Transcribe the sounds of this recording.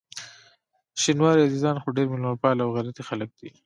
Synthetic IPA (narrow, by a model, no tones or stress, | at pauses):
ʃinwɑɾiazizɑnxoɖeɾmɪlmaɾpɑlawɣalat̪ixalək̚d̪̥i